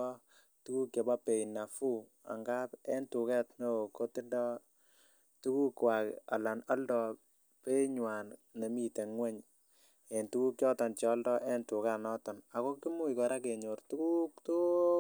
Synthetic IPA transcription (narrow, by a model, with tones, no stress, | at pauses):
ɔ˦ | tu˦ku˦kje˨ba˦pe˨i˨na˨fu˦ | a̰˨ŋɡa˦pɛ˦ntu˨kɛ˦tno˦o˨ko˦tɪ˦dɔ˦ | tu˦ku˦kwa˨ka̰˨la˨nɔ˦ldɔ˨ | pe˦ɲwa˨n | ne˨mi˦te˨ŋwɛ˦ɲ | e˨ntu˦ku˦kjɔ˦tɔ˨nt͡ʃɛ˨ɔ˦ldɔ˦ʔɛ˦ntu˨ka˦nɔ˦tɔ˨na˨ko˦ki˦mu˦i˨kɔ˨ɾa˦ke˨ɲo˨ɾtu˦ku˦k̚to˦